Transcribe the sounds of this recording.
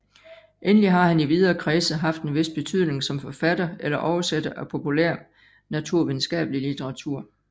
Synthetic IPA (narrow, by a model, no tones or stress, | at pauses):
ʔenəliɦɑ̈hæniʋið̞ˠɐːkʰʁɛːsəɦɑ̈fd̥enʋe̝s̚b̥e̝t͡sʰyð̞̰ˠne̝ŋsɒ̽mfɒ̽fæd̥ɐelɐʔɒʊɐsed̥ɐʔæpʰo̝pʰulæɐ̰ | næt͡sʰuɐ̰ʋiðˠn̩sɡ̥ɛ̰ːb̥əlilit͡sʰeʁɑ̈t͡sʰuɐ̰